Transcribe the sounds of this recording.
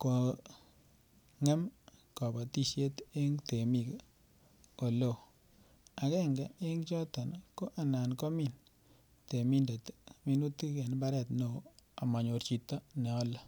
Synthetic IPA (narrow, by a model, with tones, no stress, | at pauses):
ko˨ | ŋe˦mkɔ˨bɔ˨ti˦ʃje˦te˦ŋte˨mi˨k | o˨lo˦˨ | a˨kɛ˦ŋɡɛ˨e˦ŋt͡ʃɔ˦tɔ˨nko˦ʔa˨na˨nkɔ˦mi˨n | te˨mi˦nde˨tmi˨˦nu˦ti˦kɛ˨n˦ba˦ɾɛ˦tno˨˦a˨mɔ˨ɲo˨ɾt͡ʃi˨tːɔ˦nɛ˨ɔ˦lɔ˦˨